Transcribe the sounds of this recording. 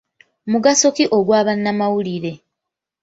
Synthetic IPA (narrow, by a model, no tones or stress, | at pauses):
muɡaso̞kiʔo̞ɡwaːβanːamawuliɾe̞